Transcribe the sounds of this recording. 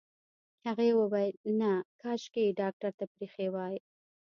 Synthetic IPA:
haɣewəwɑjlnakɑʃkeɖɑk̚ʈaɾt̪apɾixewɑj

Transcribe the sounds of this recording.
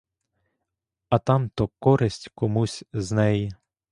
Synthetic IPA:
ɐt̪ɑmt̪ɔkɔɾɪsʲtʲkɔmusʲznɛji

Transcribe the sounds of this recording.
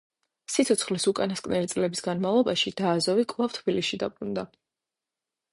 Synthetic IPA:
sit̪sʰɔt̪sʰχlisukʼanaskʼvnɛlit̪sʼlɛbisɡanmavlˠɔbaʃid̪̥aːzɔvikʼvlˠaft̪ʰbilisid̪a̰pʼɾund̪a

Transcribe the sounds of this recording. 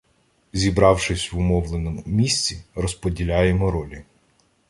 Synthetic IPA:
zʲibɾɑwʃɪsʲʋʊmɔwlˠenɔmʊmʲisʲt͡sʲirɔspɔdʲilʲajemɔɾɔlʲi

